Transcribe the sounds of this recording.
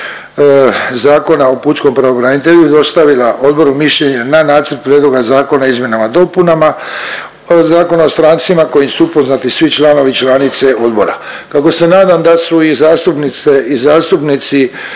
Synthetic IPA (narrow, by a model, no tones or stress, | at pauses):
zaːko̞nao̞puːt͡ʃko̞mpɾaobɾanit̪e̞ʎud̪o̞st̪aʋilaʔo̞d̪̚bo̞ɾumiʃʎeɲananaːt̪sər̩t̪̚pɾjed̪lˠo̞ɡazaːko̞naizmje̞namad̪o̞punama | zaːko̞nao̞st̪ɾaːnt̪simako̞jimsuupo̞znat̪isʋit͡ʃlaːno̞ʋit͡ʃlanit̪se̞o̞d̪bo̞ɾa̰ | kako̞se̞naːd̪amd̪asuizaːst̪upnit̪seizaːst̪upnit̪si